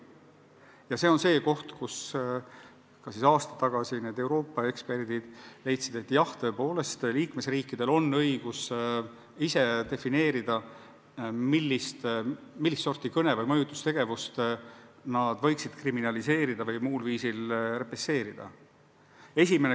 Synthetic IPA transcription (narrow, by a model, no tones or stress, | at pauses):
jɑse̞ːo̞nse̞ːko̞ht̪kus | kɑsisɑːst̪ɑ̥t̪ːɑɡ̥ɑsine̞ːd̪e̞wɾo̞ːpːˑɑe̞kspe̞rd̪̥id̪̥le̞jt̪sid̪e̞t̪ːjɑht̪ø̞ːpo̞ːle̞st̪liːkme̞sriːkːid̪̥e̞lo̞nːɤ̞jɡ̥us | ise̞d̪e̞fine̞ːɾid̪̥ɑ | milːist̪ | milːist̪so̞rt̪ikɤnevɯjmɤjut̪ːˑust̪eɡ̥e̞vust̪ | nɑd̪̥vɤ̞jksid̪̥kriminɑlise̞ːɾid̪̥ɑvɤjmuːlviːsilre̞pese̞ːɾid̪̥ɑ̰ | e̞sʲime̞ne